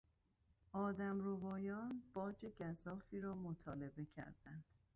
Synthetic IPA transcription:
ʔɒːd̪æmɾovɒːjɒːnb̥ɒːd͡ʒe̞ɟæzɒːfiːɾɒːmot̪ʰɒːle̞be̞cʰæ̰ɾd̪ænd̪̥

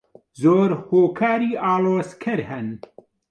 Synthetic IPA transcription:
zoːɾhoːkʰaːɾiːʔaːloːskʰɐɾhɛn

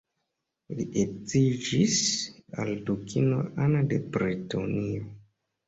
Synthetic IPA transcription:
liʔet͡sid͡ʒisa̰ldukʰinoʔanade̞bɾitonio

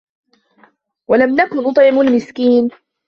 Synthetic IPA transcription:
walamnakʊnːʊt̪ˤʕɪmʊlmɪskiːn

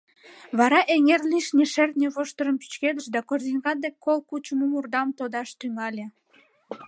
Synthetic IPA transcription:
βɑɾɑʔeŋerliʃnʲeʃert̪nʲeβoʃt̪əɾəmpy̥t͡ɕked̪əʃd̪ɑkorzinʲɡɑd̪ekʰːolkut͡ɕəmumurd̪ɑmt̪od̪ɑʃt̪yŋɑlʲe

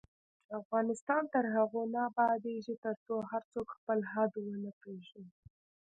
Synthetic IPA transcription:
t͡ʃafɣɑnɪst̪ɑnt̪əɾɦaɣonabɑd̪eʒit̪əɾt͡soɦaɾt͡sokxpəlɦad̪wənəpɽeʒi

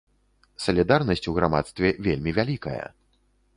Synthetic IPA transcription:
sɐlʲid̪arnɐsʲt͡sʲuɣɾama̰t̪st̪vʲɛvʲelʲmʲivʲalʲikɐ̰jɐ̰

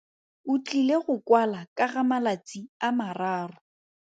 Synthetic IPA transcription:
ʊt͡ɬʼileɣʊkwalakʼaɣamalat͡sʼiamaraːrʊ

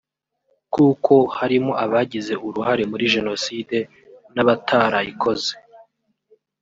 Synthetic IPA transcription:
kuːkʰo̞haɾimo̞ʔaβaɟize̞uɾuɦaɾe̞muɾiʒe̞no̞side̞ | naβatʰaːɾaikʰo̞ze

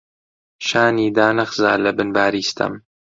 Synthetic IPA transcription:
ʃaːniːd̪aːnɐχzaːlɐbɨnbaːɾiːst̪ʰɐ̰m

